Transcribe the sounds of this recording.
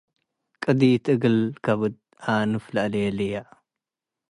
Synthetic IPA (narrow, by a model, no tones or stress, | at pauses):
kʼɨd̪it̪ʰʼɨɡɨlkʰaβɨd̪̚ | anɨflalelija